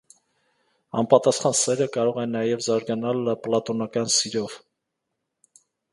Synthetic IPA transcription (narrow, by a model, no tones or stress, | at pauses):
ɑmpɑt̪ɑsχɑnsɛɾəkɑɾɔʁɛnːɑjɛvzɑɾɡɑnɑlplɑt̪ɔnɑkɑnsiɾɔv